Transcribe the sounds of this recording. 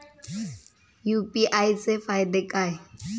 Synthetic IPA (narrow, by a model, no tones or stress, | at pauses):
jupʼiʔajsefajd̪ekʼaj